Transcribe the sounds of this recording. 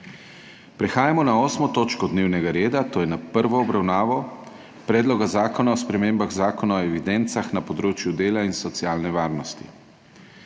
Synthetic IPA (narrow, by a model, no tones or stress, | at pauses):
pɾɛxaːjamɔnaoːsmɔt̪oːt͡ʃkɔd̪neːwnɛɡaɾeːd̪at̪oːjɛnapəɾʋɔːbɾawnaːʋɔ | pɾɛːd̪lɔɡazaːkɔnaɔspɾɛmeːmbaɣzaːkɔnaɔɛʋid̪ɛnt̪saxnapɔd̪ɾoːt͡ʃjud̪eːlainsɔt̪sjaːlnɛʋaːɾnɔst̪ḭ